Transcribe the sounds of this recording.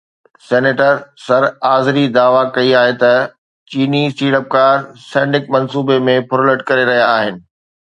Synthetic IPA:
sɛːneːʈəɾsɐɾaːzɪɾid̪aːʋakɐiaːɦet̪ɐ | t͡ɕiːnisʈiːɽəp̚kaːɾsɛ̃ːɳɖɪk̚mɐnsuːbemẽpʰʊɾoləʈkɐɾeɾɐɦijaaːɦɪnɪ̆

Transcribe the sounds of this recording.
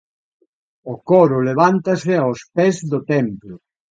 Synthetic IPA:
okɔɾʊleβ̞ant̪asɪaospɛzðot̪ɛmplʊ

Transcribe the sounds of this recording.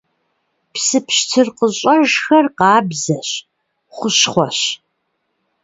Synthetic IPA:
psɨpɕtʰɨrqəɕʼɐʒxɐrqɑːbzɐɕ | χʷʊɕχʷɔɕ

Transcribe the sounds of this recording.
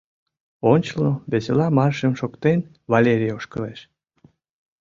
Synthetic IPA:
onʲt͡ɕəlnoβeselɑmɑrʃəmʃokt̪en | vɑlʲeɾʲijoʃkəleʃ

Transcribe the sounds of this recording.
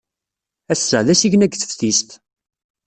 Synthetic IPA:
æsːəʕðæsiʝnæɡθə̥fθist̪

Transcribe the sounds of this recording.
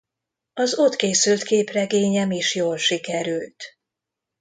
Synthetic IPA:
ɒzo̞t̪keːsylt̪keːprɛɡeːɲɛmiʃjoːlʃikɛɾylt̪

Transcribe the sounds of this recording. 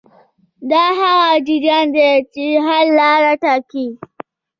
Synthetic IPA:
daɦawad͡ʒid͡ʒandet͡ʃiɦallaːɽatakiː

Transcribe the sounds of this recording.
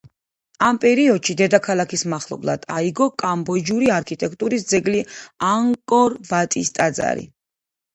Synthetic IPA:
ampʼɛɾiɔd̪ʃid̪ɛd̪akʰalˠakʰismaχlˠɔ̰blˠa̰d̪̥aiɡɔkʼambɔd͡ʒuɾiaɾkʰit̪ʼɛk̚ʰt̪ʼuɾisd̪zɛɡliaŋkʼɔɾvat̪ʼist̪ʼad̪za̰ɾḭ

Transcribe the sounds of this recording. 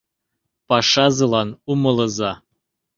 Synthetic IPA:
pɑʂɑzɤ̆lˠɑnumɤ̆lˠɤ̆zɑ

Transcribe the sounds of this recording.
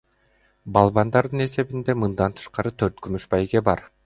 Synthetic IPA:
bɑlˠβɑnd̪ɑɾd̪ɯne̞se̞βind̪e̞mɯnd̪ɑnt̪ʰɯ̥ʃqɑɾɯt̪ʰøɾt̪kymyʃbɑjɡe̞bɑɾ

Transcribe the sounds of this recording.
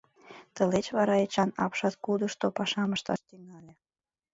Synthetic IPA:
t̪əlet͡ɕβɑɾɑet͡ɕɑnɑpʃɑt̪kud̪əʃt̪opɑʃɑməʃt̪ɑ̰ʃt̪yŋɑlʲe

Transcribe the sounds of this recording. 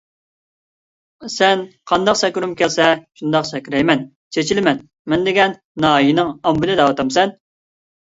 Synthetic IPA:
sɛnqʰɑnd̪ɑqsɛkʲyɾumkʲɛlsɛʃund̪ɑqsɛkʲyɾɛjmɛn | t͡ʃʰet͡ʃilɪmɛn | mɛnd̪ɪɡʲɛnːɑːjinɪŋɑmbɪlɨd̪ɑwɑt̪ɑmsɛn

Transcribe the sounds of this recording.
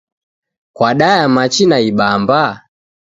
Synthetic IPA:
kwaɗajamat͡ʃinaiɓamba

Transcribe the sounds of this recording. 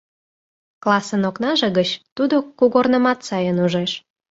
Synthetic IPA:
klɑsənoknɑʒeɣət͡ɕt̪ud̪okuɣornə̆mɑt̪sɑjənuʒeʃ

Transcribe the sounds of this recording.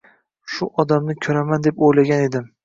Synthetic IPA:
ʃʊʔɒd̪amnɪkʲʰɵɾamand̪e̞pojlaɡʲane̞d̪ɪm

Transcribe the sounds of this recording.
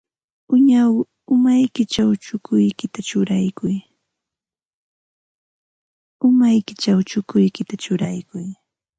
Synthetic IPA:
ʊɲaw | ʊmajkɪt͡ʃawt͡ʃʊkʊjkɪt̪at͡ʃʊɾajkʊj | ʊmajkɪt͡ʃawt͡ʃʊkʊjkɪt̪at͡ʃʊɾajkʊj

